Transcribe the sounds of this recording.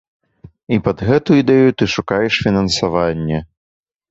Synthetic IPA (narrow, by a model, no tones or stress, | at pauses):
ipɐd̪ɣɛt̪uid̪ɛjut̪ɨʂukajɛʂfʲinɐnsavanʲːɛ